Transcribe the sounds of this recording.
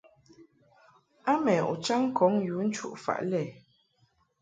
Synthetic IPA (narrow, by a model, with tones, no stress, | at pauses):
a˦mɛ˨ṵ˨t͡ʃa˦ŋ˦kʰɔ˨˦ŋju˨˦n̩˦t͡ʃṵ˦ʔfa̰˨ʔlɛ˨